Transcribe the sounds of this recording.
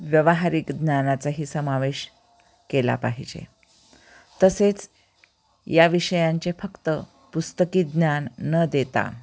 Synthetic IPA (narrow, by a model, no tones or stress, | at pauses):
ʋjəʋaɦaɾiːkd̪njanat͡saɦiːsəmaʋeɕ | kela̰paɦid͡ʑḛ | t̪əset͡s | jaʋiɕəjãɲt͡ɕefəkt̪ə | pust̪əkiːd̪njanːəd̪et̪a̰